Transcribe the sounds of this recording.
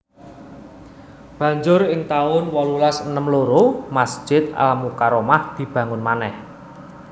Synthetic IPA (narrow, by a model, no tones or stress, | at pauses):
b̥ä̤ɲd͡ʒʊɾɪŋt̪aʊnwɔlulasənəmloɾomasd̥ʒ̥ɪt̪̚a̰lamukaɾomahd̪̥i̤b̥ä̤ŋʊnmanɛh